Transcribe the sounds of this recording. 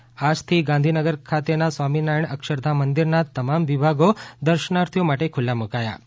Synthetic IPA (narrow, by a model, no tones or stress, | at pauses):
ad͡ʒt̪ʰiɡãnd̪ʱinəɡəɾkʰat̪enasʋaminajɳəkʃəɾd̪ʱamənd̪iɾnat̪əmamʋibʱaɡod̪əɾʃənaɾt̪ʰjomaʈekʰʊlːamukaja̰